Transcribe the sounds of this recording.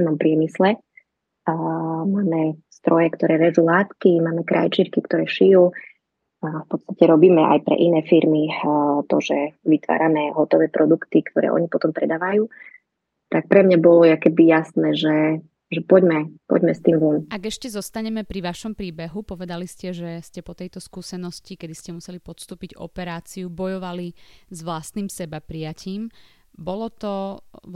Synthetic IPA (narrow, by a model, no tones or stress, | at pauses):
mɔmpɾɪɛmislɛ | maːmɛst̪ɾɔjɛkt̪ɔɾɛːʋɛzuːlaːt̪kimaːmɛkɾʔa̰jt͡ʃiɾkikt̪ɔɾɛːʃijuː | fpɔt̪t͡sst̪acɛɾɔbiːmɛʔa̰jpɾɛ̰ʔinɛːfiɾmit̪ɔʒɛʋit̪ʋa̰ːɾamɛɦɔt̪ɔʋɛːpɾʔɔd̪ukt̪ikt̪ɔɾɛ̰ːʔɔ̰ɲipɔt̪ɔmpɾɛd̪aːʋajuː | t̪ak̚pɾɛmɲabɔlɔjakɛbijasnɛːʒɛ | ʒɛpɔɟmɛpɔ̰ɟmɛst̪inɡunʔaɡɛʃcɛzɔst̪aɲɛmɛpɾiʋaʃɔmpɾiːbɛɦupɔʋɛd̪aliscɛʒɛscɛpɔt̪ɛjt̪ɔskuːsɛnɔscikɛd̪iscɛmusɛlipɔt̪st̪uːpiɟɔ̰pɛɾaːt͡siubɔjɔʋalizʋlast̪nimsɛbapɾijaciːm | bɔlɔt̪ɔ